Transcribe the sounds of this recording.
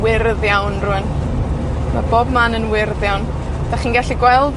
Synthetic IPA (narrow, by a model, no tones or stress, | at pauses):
wɪrðjawnrʊən | ma̰boːbmanənwɪrðjawn | d̥aχiːnɡaɬiɡwɛlˠd